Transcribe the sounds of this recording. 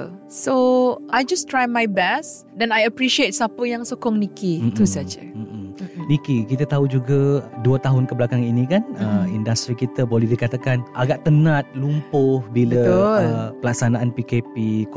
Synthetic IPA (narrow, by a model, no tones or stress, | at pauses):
soʔajd͡ʒastɹajmajbɛs | dɛ̃najəpɹiʃiet̚sapəjãŋsokɔŋnikit̪usat͡ʃə̰ | nikikit̪at̪aud͡ʒuɡaduət̪aɦʊnkəbəlakaŋinĩkanəḭndast̪ɾikit̪əbolɛɦdikat̪akanʔa̰ɡaʔt̪ənãt̪̚lumpʊhbiləəpəlak̚sanaʔanpikepi